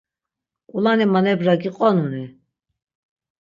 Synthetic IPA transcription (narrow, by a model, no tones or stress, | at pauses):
kʼulanimanɛbɾaɡiqʼɔnuni